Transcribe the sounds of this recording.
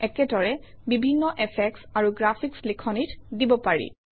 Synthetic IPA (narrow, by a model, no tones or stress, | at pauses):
ɛkɛdɔɹɛbibʱinːɔʔɛpʰɛksaɹuɡɹapʰikslikʰɔnitdibɔpaɹḭ